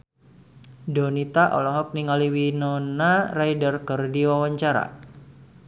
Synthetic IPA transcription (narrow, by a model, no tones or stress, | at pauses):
donit̪aʔɔ̰lɔɦɔk̚niŋaliwinɔnarajdərkərdiwawaɲt͡ʃaɾa̰